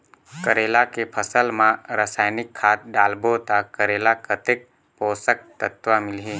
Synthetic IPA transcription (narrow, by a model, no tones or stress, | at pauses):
kəɾeːlakepʰəsəlmãɾasaːjnɪkʰːaːt̪̚ɖaːlbot̪akəɾeːlakət̪ek̚ | poːsək̚t̪ət̪ʋamɪlɦiː